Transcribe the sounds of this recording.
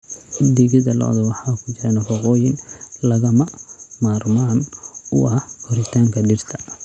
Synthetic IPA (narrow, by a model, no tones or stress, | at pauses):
d̪ɪɣɪðɐlɔ̰ʔðɐwɑħɑːkʰʊt͡ʃɪɾɐnɐfɑqɔːjɪnlɐɣɐmɐmaːrmaːnʊʔɐkʰʊɾɪt̪ʰaːŋkʰɐɖɪrt̪ʰɐ